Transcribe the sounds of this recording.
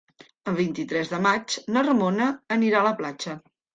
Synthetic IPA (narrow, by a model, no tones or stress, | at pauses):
əlβint̪it̪ɾɛzðəmat͡ʃnərmonəːniɾaələplat͡ʃə